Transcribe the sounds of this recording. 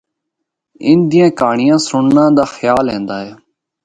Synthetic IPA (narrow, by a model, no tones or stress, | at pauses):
ɪnd̪iːẽːkaːɳɪjãːsʊɳnãːd̪aːxjaːlɦẽːnd̪aːɦeː